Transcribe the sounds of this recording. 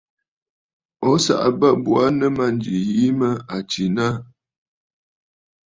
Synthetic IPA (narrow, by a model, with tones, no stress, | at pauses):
ɔ˦sa̰˦˨ʔbə˦bu˨a˦nə˦ma˦nd͡ʒi˨ji˦mə˦a˨t͡ʃi˨na˦